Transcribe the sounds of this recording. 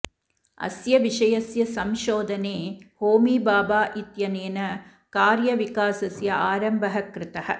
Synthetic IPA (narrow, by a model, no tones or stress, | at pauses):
ɐ̰sjɐʋiʂɐjɐsjɐsɐmʃoːd̪ɐneːhoːmiːbaːbaːʔit̪jɐneːnɐ | kaːɾjɐʋikaːsɐsjɐʔaːɾɐmbʱɐɦɐkɾɪt̪ɐhɐ̰